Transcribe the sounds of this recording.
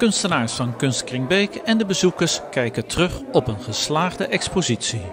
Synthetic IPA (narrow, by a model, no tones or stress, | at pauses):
kɵnstənaːɹsfɑnkɵnstkrɪŋbejkɛndəbəzukəɹskɛjkətərɵχɔpənχəslaːχdəʔɛkspozitsi